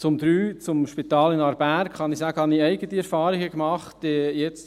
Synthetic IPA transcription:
t͡sʊmd̪ɾyːt͡sʊmʃpitɑːlɪnɑɾbæɾkχɑnɪsæːɡ̥əhɑniɛɪɡətiɛɾfɑːɾɪɡəkmɑχtdejɛt͡st

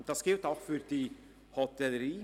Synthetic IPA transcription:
d̪̥ɑsɡ̥ɪlt̪aʊxfyɾd̥iː | hɔt̪ʰɛləɾiː

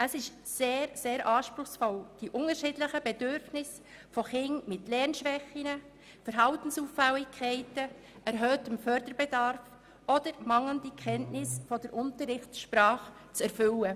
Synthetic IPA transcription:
əsɪʃ | seːɾseːɾʔɑːʃpɾʊχsfɔld̥iʔʊŋəɾʃɪːdləχəbɛdʏɾfnɪs | fɔχɪŋmɪtlɛɾnʃʋɛχinə | fəɾɦɑltən̩suːfːɛlɪkʰːɛɪtə | ʔɛɾɦøːtəmfœɾdəɾbɛdɑɾf | ʔɔd̥əɾmɑŋləndikʰχɛntnɪsfɔdəɾʔʊntəɾɪχtʃpɾɑːχt͡sɛɾfʏlə

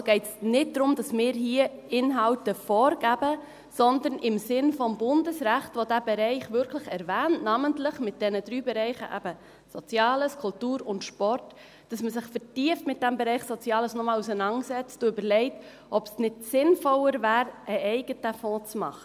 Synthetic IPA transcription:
ɡ̥ɛɪtsnɪt̚d̥ɾʊmd̥ɑsmɪːɾɦiəɪnɦɑltəfɔːɾɡ̥æb̥ə | sɔnd̪ənɪmsɪnfɔmbʊndəsɾæχtʋodæbɛɾɛɪχʋʏɾkʰləχɛɾvæːntnɑməntlɪχmɪt̚d̥ɛnəd̪ɾyːbɛɾɛɪχə̰ʔæ̰b̥ə | sɔt͡sjɑːləskʰʊltuːɾʊntʃpɔrt | d̥ɑsməsɪχfəɾtiəftmɪt̚d̥ɛmbɛɾɛɪχsɔt͡sjɑːləsnɔmɑːlusənɑnsɛt͡stuʏbəɾlɛɪt | ʔɔb̥snɪd̥sɪnfɔlːəɾvæːɾəʔɛɪɡ̥ətəfɔ̃ːt͡smɑ̰χə

